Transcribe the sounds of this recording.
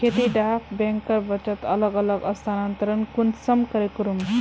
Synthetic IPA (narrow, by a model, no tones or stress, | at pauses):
kʰet̪iɖapʰbẽŋkːəɾbət͡ʃət̪ʌləɡələɡəst̪ʰanant̪əɾənkunsʌmkəɾekuɾum